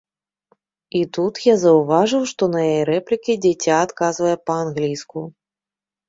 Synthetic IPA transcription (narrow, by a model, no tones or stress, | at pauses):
it̪ut̪jazɐwvaʐɨwʂt̪ɔnɐjajejɾɛplʲikʲid͡zʲat͡sʲaːt̪kazvɐjɛpɐanɣlʲijsku